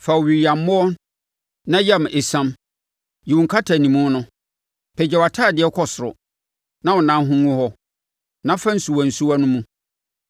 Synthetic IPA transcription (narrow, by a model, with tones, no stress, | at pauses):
fa˨wɥi˨ɾi˨a˨m˦mʊ̃˦ɔ˦n | nã˦ja˦m˨ʔe˨sã˦m | ji˨wũ˨ŋkʰa˦tʰa˨nĩ˨mũ˦nʊ̃˦ | pʰɛ˨d͡ʑɛ˦˨wa˨tʰaː˦˨dɪ˨ɛ˦kʰɔ˨sʊ˨ɾʊ̰˨ | nã˦wɔ̃˨nã˨˦ɦũ˦ŋʊ̃˦hɔ˦ | nã˦fã˦n̩˨su˨wa˨n̩˨su˦a˦nʊ̃˦mũ˦